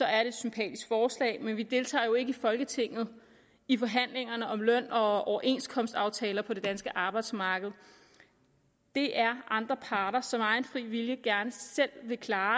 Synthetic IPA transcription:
sɒ̽æɐd̥e̝ed̥sympʰɛ̰ːd̥isɡ̥fɒːslɛ̰ɪmenʋid̥e̝lt͡sʰɑ̰̈ːjo̝e̝ɡ̥əifɒ̽lɡ̥ət͡sʰe̝ŋ̰ð̞̩ˠ | ifɒ̽ɦæn̰leŋɐnəʔɒ̽mlœn̰ɒ̽ʔɒʊɐʔe̝nskʰɒ̽msd̥ɑ̈ʊt͡sʰɛːlɐpʰɒ̽d̥e̝d̥ænsɡ̥əʔɑ̈ːb̥ɑ̈ɪd̥smɑ̈ːɡ̥əð̩ˠ | d̥e̝ʔæɐʔɑ̈nd̥ʁɐpʰɑ̈ːɾ̥ɐsɒ̽mɑ̈ɪnfʁḭːʋiljəɡ̥æɐnəsel̰ʋe̝kʰlɑ̈ː

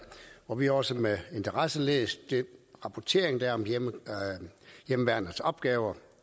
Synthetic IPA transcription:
ʋɒʋihɒ̽səmee̝nt͡sʰɐʁɑsəlḛːsd̥enʁɑ̈pʰɒt͡sʰe̝ːɐ̰eŋd̥æɐɒ̽m | jemʋæɐ̥nəsɒ̽b̥̚ɡ̥ɛːʊɐ

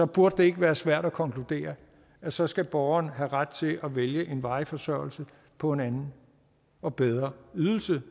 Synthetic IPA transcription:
sɒ̽b̥uɐd̥əd̥e̝e̝ɡ̥əʋæːɐsʋæɐ̰ɾ̥ækʰɒ̽ŋkʰlud̥e̝̰ːɐ | æsɒ̽sɡ̥æb̥ɒʊɐnɦæʁad̥̚t͡sʰe̝lʔɒʋeljəʔe̝nʋɑ̈ɪfɒ̽sœɐ̰l̩sə | pʰɒ̽e̝nænn̩ | ɒ̽b̥eð̞ˠʁɐyð̞ˠl̩sə

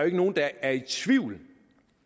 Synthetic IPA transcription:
e̝ɡ̥əno̝ːn̩d̥ɑæɐit͡sʰʋiʊ̰l

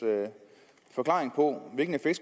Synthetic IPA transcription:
fɒ̽kʰlɑ̈ːʁeŋpʰɔ̽ʋeɡ̥n̩efeɡ̥s

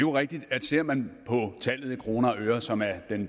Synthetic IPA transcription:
joʁɛɡ̥̚d̥id̥æd̥se̝ɐ̰mænpʰɒ̽t͡sʰæl̰ð̞̩ˠikʰʁo̝ːnɐøːɐsɒ̽mæɐd̥en

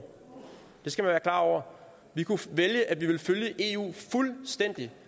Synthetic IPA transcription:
d̥e̝sɡ̥æmænʋæːɐkʰlɑ̰̈ːɒ̰ʊ̰ɐ | ʋikʰuʋeljəʔæd̥ʋiʋe̝lføljəʔe̝ːṵːfulsd̥en̰d̥i

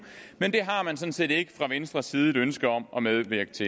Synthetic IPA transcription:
mend̥e̝ɦɑ̈mænsɒ̽nse̝̰ːde̝ɡ̥ə̥fʁɑ̈ʋensd̥ʁɐsiːð̞ˠəd̥ønsɡ̥ɐɒ̽mʔɒ̽meðˠʋeɐ̰ɡ̥ət͡sʰe̝

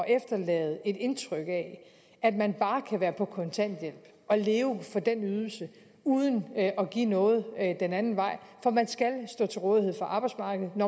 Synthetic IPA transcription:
ʔefd̥ɐlɛ̰ːð̩ˠe̝d̥e̝nt͡sʰʁœɡ̥əɛ | æd̥mænb̥ɑ̈ːkʰæʋæːɐpʰɒ̽kʰɒ̽nt͡sʰæn̰d̥jel̰b̥ | ɒ̽le̝ːʊfɒ̽d̥enyð̞ˠl̩sə | uːð̞ˠənɒ̽ɡ̥ḭːnɔ̽ːð̞̩ˠd̥enænn̩ʋɑ̈ɪ̰fɒ̽mænsɡ̥ælsd̥ɔ̰̽ːt͡sʰe̝lʁɔ̽ːðˠihe̝ð̰ˠfɒ̽ʔɑ̈ːb̥ɑ̈ɪ̥smɑ̈ːɡ̥əð̞̩ˠnɒ

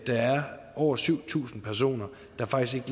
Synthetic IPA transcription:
d̥ɑ̈æɐ | ɒʊ̰ɐsyʊ̰t͡sʰṵːsn̩pʰæɐs̬o̝̰ːnɐ | d̥ɑ̈fɑ̈ɡ̥isɡ̥eɡəl

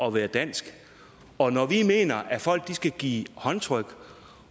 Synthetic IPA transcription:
ɒ̽ʋæːɐd̥æn̰sɡ̥ | ɒ̽nɒʋime̝ːnɐʔæfɒ̽l̰ɡ̥̚d̥isɡ̥æɡ̥ḭːhɒ̽nt͡sʰʁœɡ̥

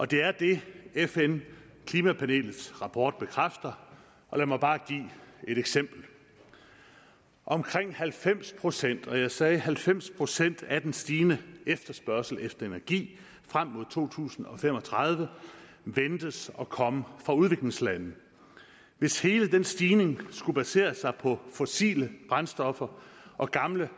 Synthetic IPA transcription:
ʔɒ̽d̥e̝æɐd̥e̝efen | kʰliːmæpʰæne̝̰ːlð̩ˠsʁɑ̈pʰɒ̰ːd̥̚b̥e̝kʰʁafd̥ɐ | ʔɒ̽læmɑ̈ɪb̥ɑ̈ːɡ̥ḭːe̝ɾ̥eɡ̥sem̰b̥l̩ | ʔɒ̽mkʰʁeŋ̰hælfem̰spʰʁo̝sen̰d̥ɒ̽jɑ̈ɪsɛːɦælfem̰spʰʁo̝sen̰d̥æd̥ensd̥iːnəefd̥ɐsb̥ɶɐsl̩efd̥ɐe̝næɐɡ̥ḭː | fʁam̰ːo̝ð̰ˠt͡sʰo̝̰ːt͡sʰṵːsn̩ɒ̽fem̰ɒ̽t͡sʰʁɑ̈ð̞ˠʋə | ʋend̥əsɒ̽kʰɒ̽məfʁɑ̈uð̞ˠʋe̝ɡ̥le̝ŋslænð̩ | ʋe̝she̝ːləd̥ensd̥iːne̝ŋsɡ̥ub̥æse̝̰ːɐsɑ̈ɪpʰɒ̽fosḭːləb̥ʁɑnsd̥ɒ̽fɐʔɒ̽ɡ̥ɑ̈mlə

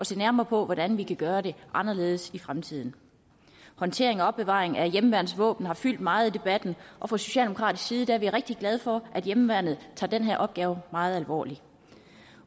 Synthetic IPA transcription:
ʔɒ̽se̝̰ːnæɐmɐpʰɒ̽ʋɒd̥ænʋikʰæɡ̥ɶːɐɾe̝ʔɑ̈nɐle̝ːð̞̩ˠəsifʁamt͡sʰið̞̰ˠn̩ | hɒ̽nt͡sʰe̝̰ɐe̝ŋɒ̽ɒ̽b̥e̝ʋɑ̰̈ːʁeŋæjemʋæɐnð̩ˠsʋɔ̰̽ːb̥n̩hɑ̈fyl̰d̥mɑ̈ːð̩ˠid̥e̝b̥æd̥n̩ʔɒ̽fʁɑ̈so̝ɕɛ̰ːldeokʰʁɑ̰̈ːd̥isɡ̥siːð̞̩ˠd̥æɐʋiʁeɡ̥̚d̥iɡ̥lɛð̞ˠfɒ̽ʔæd̥jemʋæɐnð̩ˠt͡sʰɑ̈ːd̥enɦæɐʔɒ̽b̥ɡ̥ɛːʊmɑ̈ːð̞̩ˠælʋɒ̰ːli

